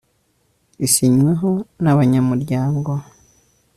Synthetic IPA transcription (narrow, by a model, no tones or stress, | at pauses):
isiɲweɦo̞naβaɲamuɾɟaːŋɡo̞